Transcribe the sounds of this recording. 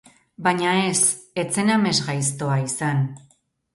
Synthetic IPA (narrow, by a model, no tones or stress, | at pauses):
baɲae̞s | e̞t͡se̞name̞zɣajst̪o̞aisan